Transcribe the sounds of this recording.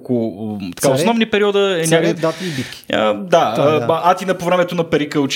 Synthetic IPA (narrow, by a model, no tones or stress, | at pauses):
kʊt̪ɐ̥kaosnɔvnipɛɾiɔd̪əɛnʲak̪ibikʲəd̪aəʔat̪inəpovɾɛmɛt̪onɐpɛɾikəʊt͡ʃ